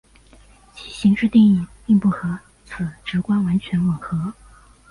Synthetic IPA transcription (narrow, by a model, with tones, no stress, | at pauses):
t͡ɕʰi˨˩ɕi˧˥ŋʈ͡ʂɻ̩˥˧t̪ji˥˧ŋi˥˩pi˥˧ŋpu˥˩xɤ˧˥ | t͡sʰɹ̩˨˩ʈ͡ʂɻ̩˧˥kwa˥nwa˧˥nt͡ɕʰɥɛ˧˥nwə˨˩xɤ˧˥